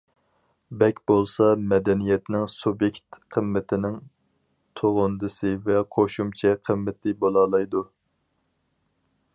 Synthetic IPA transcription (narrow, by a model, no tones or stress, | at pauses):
bɛkʲbolˠsɑmɛd̪ɛnijɛt̪nɪŋsubjekʲt̪qʰəmːɪt̪ʰɪnɪŋ | t̪ʰoʁʊnd̪ɨsɨvɛqʰoʃumt͡ʃʰɛqʰəmːɪt̪ʰɪbolˠɑːlˠɑjd̪u